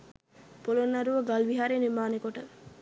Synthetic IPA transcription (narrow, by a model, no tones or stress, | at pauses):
polonːaɾuʋəɡalʋiɦaɾenimaːnekoʈə